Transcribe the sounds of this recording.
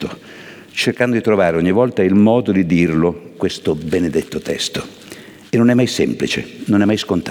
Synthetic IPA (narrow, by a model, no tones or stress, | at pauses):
t̪o | t͡ʃerkand̪od̪it̪ɾovaːɾeɔɲːivɔlt̪ailmɔːd̪od̪id̪irlokwest̪obened̪et̪ːot̪ɛ̰st̪o | enonɛmːajsɛ̰mplit͡ʃḛnonɛmːajskont̪